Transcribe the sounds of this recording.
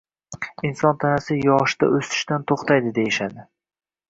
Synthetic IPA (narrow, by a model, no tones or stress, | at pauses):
ɪnsɒnt̪ʰanasɪjɒʃd̪a̰ʔɵst̪ʰɪ̥ʃt̪ant̪ʰoχt̪ʰajd̪ɪd̪ejɪʃad̪ɪ